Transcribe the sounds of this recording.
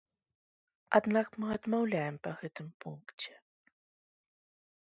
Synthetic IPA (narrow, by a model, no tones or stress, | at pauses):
ad̪nakmɨɐd̪mawlʲajɛmpɐɣɛt̪ɨmpunkt͡sʲɛ̥